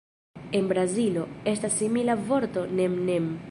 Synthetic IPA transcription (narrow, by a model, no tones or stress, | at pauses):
e̞nbɾazilo̞e̞stasːimilavo̞ɾto̞nemnem